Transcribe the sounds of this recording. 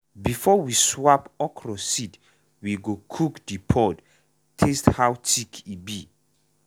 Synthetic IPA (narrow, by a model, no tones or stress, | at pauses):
bifɔwiswapɔkʰrɔsid | wiɡokʰukdipʰɔd | tʰesthawtʰikʰibi